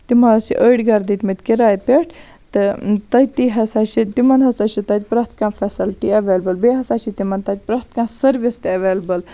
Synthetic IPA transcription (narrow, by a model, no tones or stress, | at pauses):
t̪imɐt͡ʃḭʔəjɖɡɐɾd̪it̪mit̪ʲkiɾaːjpʲeʈʰ | t̪ɨt̪ɐjt̪iɦɐsaːt͡ʃʰit̪imɐnɦɐsat͡ʃʰit̪ɐt̪̚ʲpɾɐst̪kãːfʰɐsilʈiɐʋeːlbɐlbeːɦɐsaːt͡ʃʰit̪imɐnt̪ɐt̪̚ʲpɾɐst̪kãːsɐɾʋist̪iɐʋeːlbɐl